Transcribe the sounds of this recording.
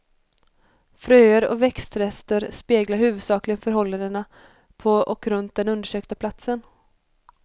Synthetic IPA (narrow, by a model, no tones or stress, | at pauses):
fɾøːəɾɔ̰vɛkst̪ɾɛst̪əɾspeːɡlaɾhʉ̟ːvɵd̪sɑːklɪɡənfœɾɦɔlːand̪əna | pʰɔɔkɾɵnt̪̚d̪ɛnɵnd̪əʂøːk̚t̪apʰlat̪sən